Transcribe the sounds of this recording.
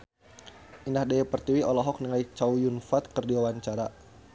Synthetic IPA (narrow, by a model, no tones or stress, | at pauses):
ʔinahdaɛpərt̪iwiʔɔlɔɦɔk̚niŋait͡ʃaujunfat̪̚kərdiwawaɲt͡ʃaɾa